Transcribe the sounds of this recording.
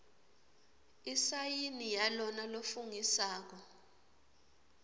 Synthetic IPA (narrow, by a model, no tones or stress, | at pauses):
isajinijalɔnalofuŋisaːk̬ɔ